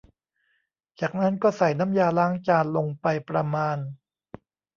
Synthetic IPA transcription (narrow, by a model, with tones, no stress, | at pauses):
t͡ɕaː˨˩k̚na˦˥nkɔː˥˩sa˨˩jna˦˥mjaː˧laː˦˥ŋt͡ɕaː˧nlo˧ŋpa˧jpɾa˧maː˧n